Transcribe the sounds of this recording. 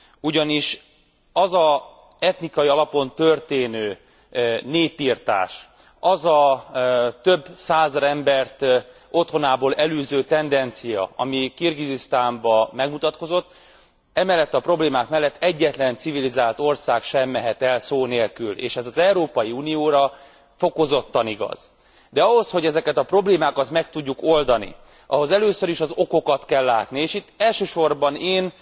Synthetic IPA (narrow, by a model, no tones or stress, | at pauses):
uɟɒniʃ | ɒzɒ | ɛt̪nikɒjiɒlɒpo̞nt̪ørt̪eːnøː | neːpːirt̪a̰ːʃ | ɒzɒ | t̪ø̞bsaːzɒɾɛmbɛrt̪ | o̞t̪ho̞naːboːlɛløːzøːt̪ɛnd̪ɛnt̪sijɒ̰ɒ̰mikirɡizist̪aːmbɒmɛɡmut̪ɒt̪̚ko̞zo̞t̪ː | ɛmɛlːɛt̪ːɒpro̞bleːmaːkmɛlːɛt̪ːɛɟːɛt̪lɛnt̪sivilizaːlt̪o̞rsaːkʃɛmːɛɦɛt̪ɛlsoːneːlkylḛːʃɛzɒzɛuɾoːpɒjiunijoːɾɒ | fo̞ko̞zo̞t̪ːɒniɡɒ̰z̥ | d̪ɛɒɦo̞sho̞ɟɛzɛkɛt̪ɒpro̞bleːmaːkɒt̪mɛk̚t̪uɟːuko̞ld̪ɒnḭ | ʔɒ̰ɦo̞zɛløːsøɾiʃɒzo̞kokɒt̪kɛlːaːt̪nieːʃit̪ːɛlʃøːʃo̞rbɒneːn